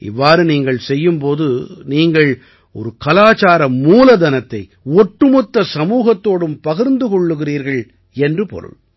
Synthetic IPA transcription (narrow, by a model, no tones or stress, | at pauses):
ɪ̰ʋːaːɾɯniːŋɡɐɭsɛjːɯmpoːðɯniːŋɡɐɭ | ɔɾɯkɐlaːt͡ʃaːɾɐmuːlɐd̪ɐnɐt̪ːɐɪ | ɔʈːɯmɔt̪ːɐsɐmuːɣɐt̪ːoːɽɯmpɐɣɪɾnd̪ɯkɔɭːɯɣɪriːɾɣɐɭ | ɛndrɯpɔ̰ɾɯ̰ɭ